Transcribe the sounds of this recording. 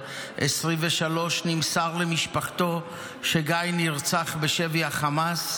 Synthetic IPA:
ʔesʁimveʃalo̞ʃnimsaʁlemiʃpaχt̪o | ʃeɡajniʁt͡saχbeʃeviaχamas

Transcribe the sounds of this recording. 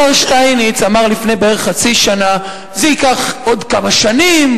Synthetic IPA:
aʃtajnit͡samaʁlifne̞jbeeʁeχat͡siʃana | zeikaχo̞dkamaʃanim

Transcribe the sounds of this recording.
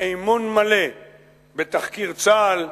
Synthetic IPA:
ejmonmale | bet̪aχkiʁt͡sal

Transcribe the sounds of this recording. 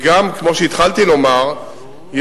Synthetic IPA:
ɡamkmo̞ʃeit̪χalt̪ilo̞maʁ | j

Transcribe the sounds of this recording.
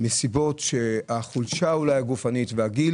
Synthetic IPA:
mesibo̞tʃeaχulʃaulajaɡufanitveaɡil

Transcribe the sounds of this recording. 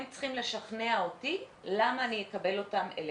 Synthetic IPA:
mt͡sχimle̞ʃaχneaoti | lamaːnijekabe̞lo̞tamḛl

